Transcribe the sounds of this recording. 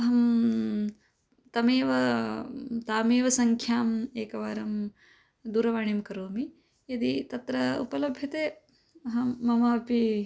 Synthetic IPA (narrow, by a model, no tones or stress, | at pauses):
ɐɦɐm | t̪ɐmeːʋɐ | t̪aːmeːʋɐsɐŋkʰjaːmeːkɐʋaːɾɐm | d̪uːɾɐʋaːɳimkɐɾoːmi | jɐd̪it̪ɐt̪ɾɐṵpɐlɐbʱjɐt̪eː | ɐɦɐːɐmaːpi